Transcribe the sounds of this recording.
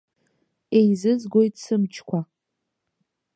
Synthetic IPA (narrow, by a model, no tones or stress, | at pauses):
ejzɨzɡʷo̞jtʼsɨmt͡ʃʰkʷʰa